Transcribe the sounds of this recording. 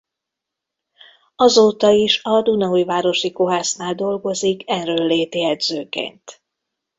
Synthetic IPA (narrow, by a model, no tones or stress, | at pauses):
ɒzoːt̪ɒiʃɒd̪unɛujvaːɾo̞ʃiko̞ɦaːsnaːld̪o̞lɡo̞zikʰɛnrøːlːeːt̪iɛd̪z̥øːkḛːnt̪